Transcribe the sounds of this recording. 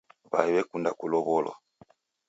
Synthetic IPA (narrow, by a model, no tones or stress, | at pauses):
βa̰iβɛkundakulɔβɔlɔ̰